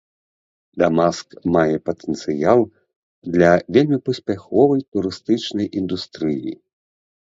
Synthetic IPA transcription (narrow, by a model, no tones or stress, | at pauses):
d̪amaskmajɛpɐt̪ɛnt̪sɨjalˠ | d̪lʲɐvʲelʲmʲipɐsʲpʲaxɔvɐjt̪uɾɨst̪ɨt͡ʂnɐjʔind̪ust̪ɾɨjḭ